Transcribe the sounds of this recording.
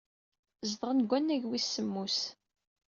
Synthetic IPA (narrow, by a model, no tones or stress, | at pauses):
zðˤʁənɡʷænːæʝwisːəmːus